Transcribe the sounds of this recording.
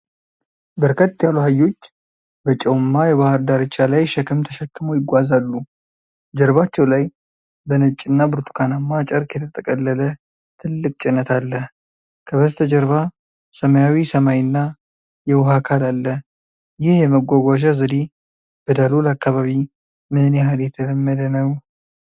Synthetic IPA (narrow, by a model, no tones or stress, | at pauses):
bəɾkʰət̪ːjaluhajːo̞t͡ʃː | bət͡ʃʼɛwmːajɛβahɨɾd̪aɾɨt͡ʃʼːalajʃɛkʰɨmt̪ʰəʃɛkʰːɨmojɪɡʷazalːu | d͡ʒɛɾβat͡ʃːɛwlaj | bənɨt͡ʃʼːɨnːabɨɾt̪ʰu̥kʰanamːat͡ʃʼəɾkʰjɛt̪ʰət̪ʼəkʼəlːələ | t̪ʰɨlːɨkʼt͡ʃʼɪnːət̪ʰalːəh | kʰəβəzt̪ʰəd͡ʒəɾβa | səməjawisəmajɨnːa | jɛwhakʰalalːəh | jɪhjɛməɡʷaɡʷaʒazəd̪i | b̥əd̪alolakːaβaβi | mɨhneɦaljɛt̪ʰələmːəd̪ənəw